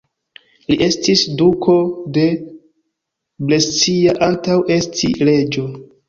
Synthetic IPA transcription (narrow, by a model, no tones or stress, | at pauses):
liʔe̞stisdukʰo̞de̞ | blest͡siaʔantawʔe̞stʰḭle̞d͡ʒo̞